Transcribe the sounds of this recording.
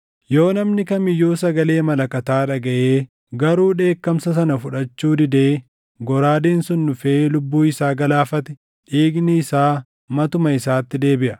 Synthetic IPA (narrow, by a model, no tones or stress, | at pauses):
jo̞ːnɐmnɪkɐnmɪjːoːsɐɡɐle̞ːmɐlɐkɐt̪aːᶑɐɡɐʔeː | ɡɐɾuːᶑe̞ːkːɐmsɐs̬ɐnɐfʊᶑɐt͡ʃːuːd̪ɪd̪eː | ɡɔɾaːd̪eːnsʊnːʊfeːlʊbːuːɪsaːɡɐlaːfɐt̪ɛ̥ | ᶑiːɡnɪɪsaː | mɐt̪ʊmɐɪsaːt̪ːɪd̪e̞ːbɪʔɐ